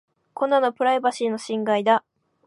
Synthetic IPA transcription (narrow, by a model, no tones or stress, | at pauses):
ko̞nːano̞pɯ̟ɾaibaɕino̞ɕĩŋɡaid̪a